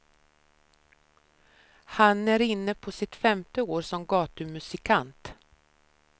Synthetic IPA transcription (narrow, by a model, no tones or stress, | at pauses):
hanæɾɪnːəpʰɔsɪt̪fɛmt̪əoːɾʂɔmɡɑːt̪ɵmɵsɪkʰant̪